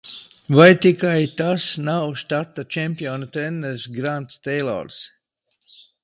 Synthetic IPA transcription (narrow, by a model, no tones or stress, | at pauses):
vajt̪ikajt̪asnawʃt̪at̪ːat͡ʃɛmʲpʲiɔnat̪ɾɛnːɛɾsɡɾant̪t̪ɛjlˠɔ̰ɾs